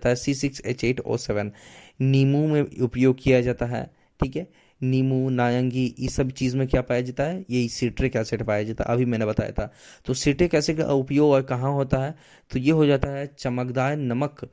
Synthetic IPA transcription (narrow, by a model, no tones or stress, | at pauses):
t̪aɦɛsiːsɪksḛːt͡ʃeːʈo̰ːsɛːʋən | niːmumẽʊpjoːɡ̚kijad͡ʒaːt̪aɦɛ̰ː | ʈʰiːkɦɛː | niːmunaːjə̃ŋɡijesɐbt͡ʃiːzmẽkjaːpaːjad͡ʒaːt̪aɦɛjɐɦisɪʈɾekjaːseʈpaːjad͡ʒaːt̪a̰ʔɐbʱimɛ̃ːnebɐt̪a̰ːja̰ːt̪ʰat̪oːsɪʈekɛːseʈʊpjoːɡɔːɾkɐɦãɦoːt̪aɦɛ | t̪ojeɦod͡ʒaːt̪aɦɛt͡ʃɐməkd̪aːɾnɐmək